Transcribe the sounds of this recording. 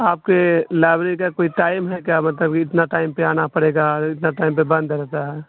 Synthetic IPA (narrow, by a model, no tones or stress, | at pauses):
aːp̚kelaːbɾikakoːiʈaːɪmɦɛkjaːmɐt̪ləb̚kiɪt̪naʈaːɪmpeaːnapɐɽeːɡaɾɪt̪naʈaːɪmpebɐ̃nd̪ɾɛɦt̪aɦɛ